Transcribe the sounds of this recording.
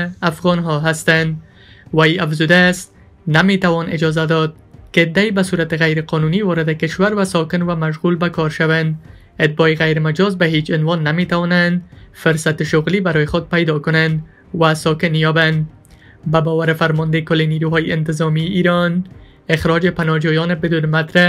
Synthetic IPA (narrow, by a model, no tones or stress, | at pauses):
afɣɔnɦɔɦast̪and̪ | wajafzud̪aːst̪̚ | namet̪awɒnɪd͡ʒɒzad̪ɔd̪̚kɪːd̪ːaibasuɾat̪ɪɣajɾɪqɒnuniwɒɾɪd̪akɪʃwaɾwasɒkɪnwamaʃɣulbakɒɾʃawand̪ | ɪt̪̚bɒeɣajɾmad͡ʒɒzbaɦet͡ʃɪnwɒnːamet̪awɒnand̪fʊɾsat̪ɪʃʊɣlibaɾɔjexʊd̪̚pajd̪ɒkʊnand̪ | wasɔkɪnjɒband̪ | babɔwaɾɪfaɾmɔnd̪ekʊlːeniɾuɦɒjeɪnt̪ɪzɔmiʔiɾɔn | exɾɔd͡ʒepanɒd͡ʒɔjɔnebɪd̪unmat̪ɾa